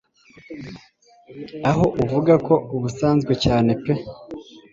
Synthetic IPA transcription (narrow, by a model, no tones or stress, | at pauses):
aɦo̞ʔuvuɡako̞uβusaːnzɡwe̞caːne̞pe